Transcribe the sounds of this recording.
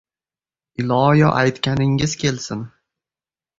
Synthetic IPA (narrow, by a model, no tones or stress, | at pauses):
ɪlˠɒjɒʔajt̪kʲanɪŋɪz̥kʲe̞lsɪn